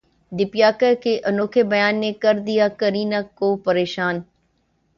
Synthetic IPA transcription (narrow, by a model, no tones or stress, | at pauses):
d̪ɪpjaːkəkʰeʔɐnoːkʰebɐjaːnːekɐɾd̪ijakəɾiːnakːopɐɾeːʃaːn